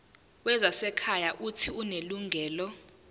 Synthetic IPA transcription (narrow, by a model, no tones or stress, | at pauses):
wɛzasɛkʰajaʔutʰiuneluŋɡʱɛːlɔ